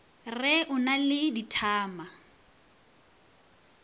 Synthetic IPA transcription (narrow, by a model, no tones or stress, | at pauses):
rɪʔʊnalɪditʰaːma